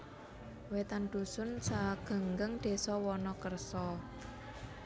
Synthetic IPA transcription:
wet̪anɖ̪̥usʊnsaɡ̥a̤ŋɡəŋd̪̥e̤sɔwɔnɔkərsɔ

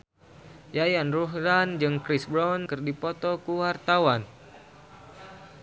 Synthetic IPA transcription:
jajanruɦɾand͡ʒɨŋkɾisbɾɔnkɨrdipɔt̪ɔkuwart̪awan

